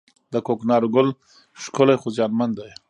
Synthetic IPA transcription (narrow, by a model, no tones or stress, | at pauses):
d̪əkoknɑɾoɡʊl | ʂkʊlajxʊzjɑnmand̪aj